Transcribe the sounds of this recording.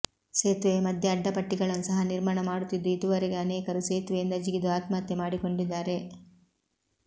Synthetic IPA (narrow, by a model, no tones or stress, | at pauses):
seːt̪ʋe̞mɐd̪ʱjɐːɖːɐpɐʈːiɡɐɭɐnːusɐɦɐniɾmaːɳɐmaːɽut̪ːid̪ːuid̪uʋɐɾeɡe̞ɐnɛːkɐɾuseːt̪ʋejind̪ɐd͡ʒiɡid̪uaːt̪mat̪ːemaːɽiko̞ɳɖid̪ːaːɾe̞